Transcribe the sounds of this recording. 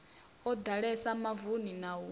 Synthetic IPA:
ɔd̪aɺɛsamavuninawu

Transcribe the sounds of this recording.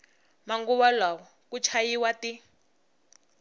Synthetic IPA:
maŋɡuwalawɔkut͡ʃʰajiwati

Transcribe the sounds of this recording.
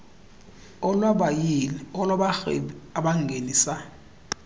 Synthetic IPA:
ɔlwaɓajilɛɔlaɓaxɛ̰aɓaŋɡʱeniːsa

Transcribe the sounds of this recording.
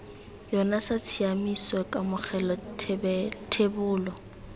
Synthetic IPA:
jɔnasat͡sʰiamisɔkʼamʊχʰɛlɔtʰbɛtʰebʊːlɔ

